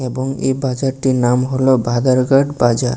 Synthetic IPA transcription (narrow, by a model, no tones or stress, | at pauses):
ebɔŋḛbad͡ʒaɾʈinamɦolobʱad̪aɾɡaɖbad͡ʒaɾ